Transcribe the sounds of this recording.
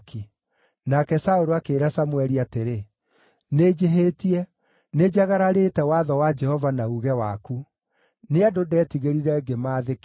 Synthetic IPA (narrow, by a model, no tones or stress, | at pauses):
ki | nakɛsaoɾoakeːɾasamwɛɾiateɾe | ned͡ʒeɦetiɛ | ned͡ʒaɣaɾaɾetɛwaðɔwad͡ʒɛhɔvanauɣɛwaku | neadodɛtiɣeɾiɾɛɡemaːðek